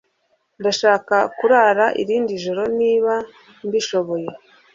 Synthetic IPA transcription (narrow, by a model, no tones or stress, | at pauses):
ndaʃaːkakuɾaɾaʔḭɾiːndiʒoɾo̞niːβa | nbiʃo̞βo̞je̞